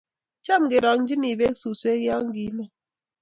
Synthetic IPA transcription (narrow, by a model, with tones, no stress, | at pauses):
t͡ʃa˦˨m˨ɡe˨ɾɔ˨ŋ̩˦d͡ʒi˦ni˨be˦ksu˨swe˦ɣja˦ŋ̩˦ɡi˨˦nɛ˦